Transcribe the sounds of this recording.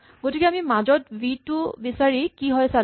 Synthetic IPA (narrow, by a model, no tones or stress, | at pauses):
ɡotikɛamimazɔt̚bitːʊbisaɹikiɦɔjsa